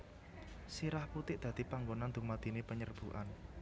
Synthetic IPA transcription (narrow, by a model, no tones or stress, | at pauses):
siɾahput̪ɪʔd̪̥ä̤d̪̥i̤paŋɡonand̪ṳmad̪̥i̤nepəɲərb̥uʔa̰n